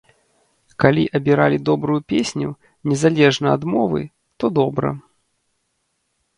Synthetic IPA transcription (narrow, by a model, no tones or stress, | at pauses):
kalʲiʔɐbʲiɾalʲid̪ɔbɾujupʲesʲnʲu | nʲɛzalʲɛʐnɐɐd̪mɔvɨ̰ | t̪ɔd̪ɔbɾɐ̰